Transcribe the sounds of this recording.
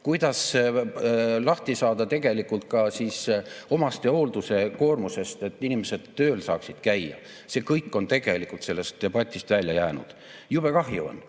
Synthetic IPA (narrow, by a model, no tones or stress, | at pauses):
kujd̪̥ɑs | lɑht̪isɑːd̪ɑt̪e̞ɡ̥e̞likult̪̚kɑsiːso̞mɑst̪e̞oːld̪̥use̞ko̞ːrmuse̞st̪e̞t̪ːˑinimese̞d̪̥t̪ø̞ːlsɑːksid̪̥kæjjːɑ̰ | se̞ːkɤjkːˑo̞nt̪e̞ɡ̥e̞likːˑult̪se̞lːe̞st̪̚d̪e̞b̥ɑt̪ʲːˑist̪vælʲjɑjæːnṵd̪̥ | jub̥ekɑɦjuo̰n